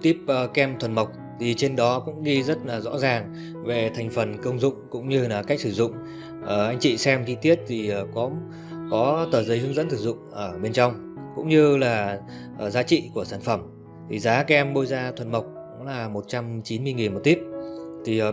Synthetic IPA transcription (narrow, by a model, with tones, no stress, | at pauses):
t̪i˦˥p̚ə˨˩kɛ˧mt̪ʰwə˨˩nmə˨˩wk͡p̚ | t̪ʰi˨˩t͡ɕe˧nɗɔ˨˦kʊ̰˧˥ŋ͡mɣi˧zə˦˥t̚laː˨˩zɔ̰˧˥zaː˨˩ŋ | ve˨˩t̪ʰa˨˩jŋ̟fə˨˩nkə˧wŋ͡mzʊ̰˧˨ŋ͡mkʊ̰˧˥ŋ͡mɲɨ˧laː˨˩ka˦˥k̟̚sɨ˧˩zʊ̰˧˨ŋ͡m | ʔəː˨˩ʔa˧ŋ̟t͡ɕḭ˧˨sɛ˧mt͡ɕi˧t̪i˦˥ət̚t̪ʰi˨˩˨kɔ˨˦ | kɔ˨˦t̪əː˨˩zə˨˦jhɨ˨˦ŋzə̰˧˥nt̪ʰɨ˧˩zʊ̰˧˨ŋ͡mʔəː˧˩ɓe˧nt͡ɕa˧wŋ͡m | kʊ̰˧˥ŋ͡mɲɨ˧laː˨˩ | ʔzaː˨˦t͡ɕḭ˧˨ku˧˩əsaː˧˩nfə˧˩m | t̪ʰi˨˩zaː˨˦kɛ˧mɓo˧jzaː˧t̪ʰwə˨˩nmə˨˩wk͡p̚kʊ̰˧˥ŋ͡mlaː˨˩mo˨˩t̚t͡ɕa˧mt͡ɕi˨˦nmɨ˧əŋi˨˩nmo˨˩t̚t̪i˦˥p̚t̪ʰi˨˩˨